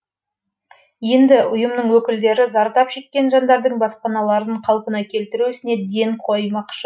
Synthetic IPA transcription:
je̞nd̪ɪʔʊjəmnəɴwɵkʲɪld̪e̞ɾɪzɑɾt̪ɑpʃe̞kʲːe̞nʒɑnd̪ɑɾd̪əɴbɑspɑnɑlˠɑɾəɴqʰɑlˠpənɑkʲʰe̞lt̪ɪɾuɪsɪne̞d̪e̞ŋqʰo̞jmɑqʃə

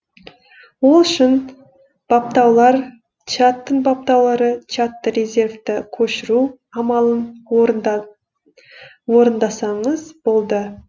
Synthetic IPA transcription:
wo̞lˠʏʃɪn | b̥ɑp̚t̪ɑwlˠɑɾ | t͡ʃat̪ːəɴbap̚t̪ɑwlˠɑɾət͡ʃat̪ːəɾʲe̞zʲe̞rvt̪ɪkʲʰɵʃɪɾu | ɑmɑlˠən | wo̞ɾənd̪ɑsɑɴəzb̥o̞lˠd̪ə

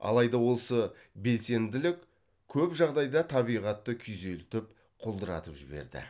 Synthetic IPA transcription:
ɑ̰lˠɑjd̪ɑwo̞lˠsə | be̞lse̞nd̪ɪlɪkʲ | kʲʰɵpʒɑʁd̪ɑjd̪ɑt̪ʰɑβijʁɑt̪ːəkʲʰʏze̞lt̪ɪp̚ | qʰolˠd̪əɾɑ̰t̪əpʒɪbe̞̰ɾd̪ɪ̰

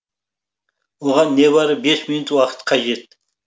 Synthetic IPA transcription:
woʁɑnːeβɑɾəbesminut̪wɑqʰə̥t̪qʰɑʒet̪̚

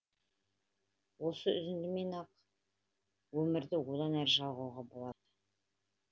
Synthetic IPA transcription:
wo̞səʏ̰zɪnd̪ɪme̞nɑq | wɵmɪɾd̪ɪwo̞d̪ɑnæɾɪʒɑlˠʁɑwʁɑbo̞lˠɑd̪̥ə

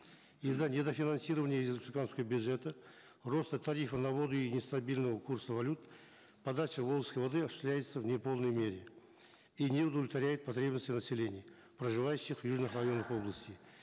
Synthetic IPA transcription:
izːənʲɪd̪əfʲinansʲirəvənʲɪjəizəksʲɪkanskəvəbʲjʊd̪ʐɛt̪ə | ro̞st̪ət̪ʰɐɾʲifənɐvo̞d̪ʊinʲɪst̪ɐbʲilʲnəvəkʰursəvɐlʲut̪ | pɐd̪at͡ʃɪvo̞b̪ˠəskəjvɐd̪ɨɐsʲʊ̥sʲlʲæjɪt̪səvnʲɪpo̞lˠnəjmʲe̞ɾʲɪ | inʲeʊd̪əvlʲɪt̪vaɾʲæjɪt̪̚pɐt̪ɾʲe̞bnəsʲtʲɪnəsʲɪlʲe̞nʲɪj | prəʐɨvajʉɕːɪχvjuʐnɨχrɐjo̞nːəχo̞blˠəsʲtʲɪ

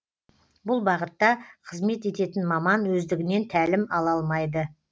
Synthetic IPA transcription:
bʊlˠbɑʁət̪ːɑqʰəzme̞t̪e̞t̪e̞t̪ɪnmɑmɑnwɵzd̪ɪɡʲɪne̞nt̪ʰælɪmɑlˠɑlˠmɑjd̪ə

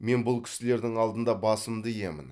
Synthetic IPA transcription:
me̞nbʊlˠkʲʰɪ̥sɪle̞ɾd̪ɪŋɑlˠd̪ənd̪ɑbɑsəmd̪əje̞mɪ̰n

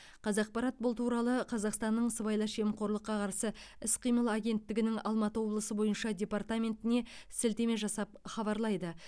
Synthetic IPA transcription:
qʰɑzɑq̚pɑɾɑt̪̚bʊlˠt̪ʰuɾɑlˠəqʰɑzɑqst̪ɑnːəɴsəβɑjlˠɑʃemqʰo̞ɾlˠəqːɑqʰɑɾsə | ɪsqʰijməlˠaɡʲe̞nt̪ːɪɡʲɪnɪŋɑlˠmɑt̪əwo̞blˠəsəbo̞jənʃɑd̪ʲe̞pɑrt̪amʲe̞nt̪ɪne̞sɪlt̪e̞me̞ʒɑsɑp̚χɑβɑɾlˠɑjd̪ə

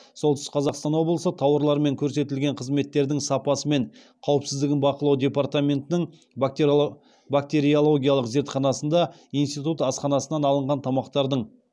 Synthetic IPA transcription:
so̞lˠt̪ʏsqʰɑzɑqst̪ɑnwo̞blˠəsət̪ʰɑwəɾlˠɑɾme̞ŋkʲʰɵɾse̞t̪ɪlɡʲe̞ɴqʰəzme̞t̪ːe̞ɾd̪ɪŋsɑpɑsəme̞ɴ | qʰɑwəpsɪzd̪ɪɡʲɪnbɑqəlˠɑwd̪ʲe̞pɑɾt̪amʲe̞nt̪ɪnɪɴ | bak̚t̪ʲe̞ɾijolˠo̞ɡʲijɑlˠəqze̞ɾt̪χɑnɑsənd̪ɑ | ijnst̪it̪ut̪ɑsqɑnɑsənɑnɑlˠəɴʁɑnt̪ʰɑmɑqt̪ɑɾd̪əɴ

